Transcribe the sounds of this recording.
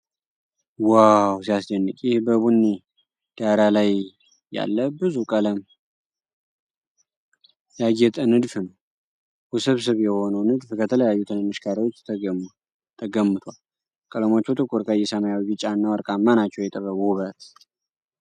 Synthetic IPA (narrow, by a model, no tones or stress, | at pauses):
wawsijasd͡ʒənːɨkʼjɪhbəβunːi | d̪̥aɾalaj | ja̰lːəbɨzukʼələm | jaɡɛt̪ʼənɨd̪fnəw | husɨβsɨβjɛho̞nəwnɨd̪fkʰət̪ʰələjajːut̪ʰɨnɨmɨʃkʰaɾiwo̞t͡ʃ̪ːʰ | t̪ʰəɡəmːɨt̪ʰwal | kʼələmo̞t͡ʃːut̪ʼɨkʼuɾkʼajɛsəmajawd͡ʒit͡ʃʼanːawəɾkʼamːanat͡ʃːɛwjɛt̪ʼəβəβuβə